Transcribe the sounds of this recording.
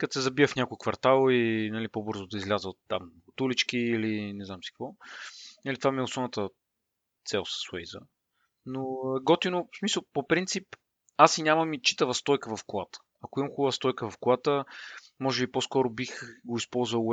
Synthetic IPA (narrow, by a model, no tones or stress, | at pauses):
kət̪sɛzɐbiəfnʲakʊjkvɐɾt̪alˠinɐlipobɤɾzʊd̪ɐizlʲazəot̪ːa̰mʊt̪ulit͡ʃkiilinɛznamsi̥kəkvɔnəlit̪vamiʊsɔnət̪ə | t̪sɛlˠsə̥swɛjzə̰ | noɛɡɔt̪inosmisəlˠpopɾint̪sip | asinʲamɐmit͡ʃi̥t̪əvəst̪ɔjkəvɐfkolat̪ə̥ | ɐkoimɐmxubˠəvəst̪ɔjkəvɐfklat̪ə | mɔʒɛbiposkɔɾobixɡoispɔlˠzvəlˠ